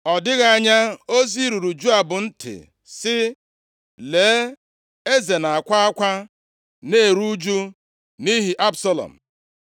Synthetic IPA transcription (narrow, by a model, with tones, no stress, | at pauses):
ɔ˨dɪ˦ɣa˦a˦ɲa˦o˦zi˦ɾu˨ɾu˨d͡ʒu˦a˨bʊ˨n̩˦tʰɪ̰˨ | sɪ˦ | le˨˦ | e˦ze˨na˨a˨kʷa˦a˦kʷa˦ | ne˦˨ɾu˦d͡ʒu˦ | ni˦ɦi˨ʔa˦bsa˦lɔ̰˨m̩˨